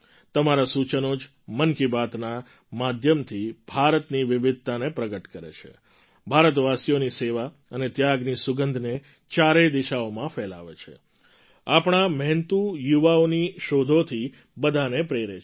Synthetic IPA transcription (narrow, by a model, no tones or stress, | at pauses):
t̪əmaɾasut͡ʃənod͡ʒ | mənkibat̪na | mad̪ʱjəmt̪ʰib̥ʱaɾət̪niʋɪʋɪd̪̚ʱt̪anepɾəɡəʈkəɾḛt͡ʃʰḛ | bʱaɾət̪ʋasijoniseʋa | ənet̪jaɡnisʊɡənd̪ʱne | t͡ʃaɾed̪iʃaomãfɛla̰ʋḛt͡ʃʰḛ | apɳ̃amɛnt̪ujuʋaoniʃod̪ʱot̪ʰi | bəd̪ʱanepɾeɾe